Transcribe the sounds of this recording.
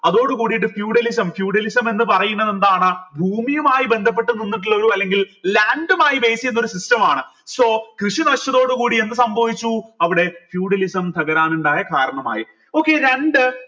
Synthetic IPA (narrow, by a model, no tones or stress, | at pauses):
ɐðo̞ːɽukuːɽiʈːɨfjuːɽɐlis̬ɐmfjuːɽɐlisɐme̞nːɨpɐrɐjunːɐðe̞nd̪aːɳɨbʱuːmijɐmaːjibe̞nd̪ʱɐp̬ːeʈːuninːiʈ̬ːiɭːɐluɐlːe̞ŋɡillaːɳɖumaːjibe̞ːsijenːo̞ɾusistɐmaːɳɨ | so̞ːkrɨʂinɐʂɐðo̞ːɽukuːɽie̞nd̪ɨsɐmbʱɐʋit͡ɕːuɐʋiɽe̞fjuːɽɐlisɐmt̪ʰɐɣɐɾaːnuɳɖaːjɐkaːɾɐɳɐma̰ːji | o̞ːkːe̞ɾeɳɖɨ